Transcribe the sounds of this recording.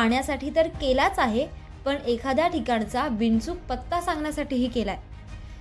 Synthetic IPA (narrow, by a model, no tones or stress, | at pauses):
aɳjasaʈʰiːt̪əɾkelat͡saɦe | pəɳekʰad̪jaʈikaɳt͡saʋint͡suk̚pət̪ːasãŋɡɳjasaʈiːɦiːkelae